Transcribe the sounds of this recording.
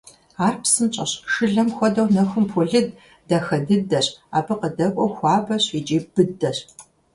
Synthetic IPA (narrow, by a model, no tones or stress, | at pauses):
aːrpsɨmt͡ʃʼɐɕʃɨɮɐmxʷɔdɐwnɐxɨmpʰɔɮɨd | dɐxɐdɨdɐɕa̰ːbɨqədɐkʷʼɔxʷɑːbɐɕiːd͡ʒeːb̥ɨdɐɕ